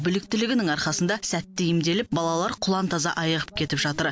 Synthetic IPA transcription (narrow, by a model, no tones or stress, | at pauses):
bʏlɪk̚t̪ɪlɪɡʲɪnɪŋɑɾχɑsənd̪ɑsæt̪ːɪjɪmd̪e̞lɪp̚bɑlˠɑlˠɑɾqʰʊlˠɑnt̪ʰɑzɑ̰ʔɑjəʁəp̚kʲʰe̞t̪ɪpʒɑt̪əɾ